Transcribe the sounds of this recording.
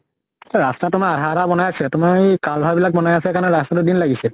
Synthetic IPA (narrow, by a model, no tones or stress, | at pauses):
ɛɹastatʊmaadʱatabɔnajasɛtʊmakalbʱɔjbilak̚bɔnajasɛkanɛɹastatʊdinlaɡisil